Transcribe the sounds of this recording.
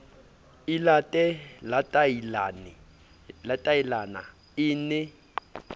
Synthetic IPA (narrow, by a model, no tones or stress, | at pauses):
ilatʼɛlatʼalan | latʼajilana̰ | ɪːnɛ